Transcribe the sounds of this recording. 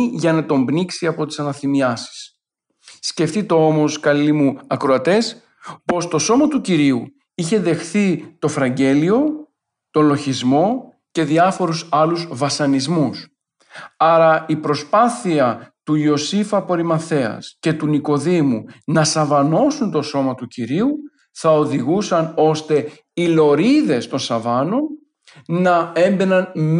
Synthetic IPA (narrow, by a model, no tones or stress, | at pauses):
ʝɐnɐt̪o̞mbniksiɐpo̞t̪i̥sɐnɐθimiɐsi̥sː | ce̞ft̪it̪e̞o̞mo̞skɐlimuɐkɾo̞ɐt̪e̞s | po̞st̪o̞so̞mot̪uciɾiu | içe̞ðe̞xθit̪o̞fɾɐɲɟe̞lio̞ | t̪o̞lo̞çizmo̞ | ce̞ðiɐfo̞ɾusɐluzvɐsɐnizmus | ɐɾɐipɾo̞spɐθiɐt̪uo̞sifɐpo̞ɾimɐθe̞ɐ̰sce̞t̪uniko̞ðimunɐsɐvɐno̞sunt̪o̞so̞mɐt̪uciɾiu | θɐoðiɣusɐno̞st̪e̞ | ilo̞ɾiðe̞st̪o̞nsɐvɐno̞n | nɐe̞mbe̞nɐnm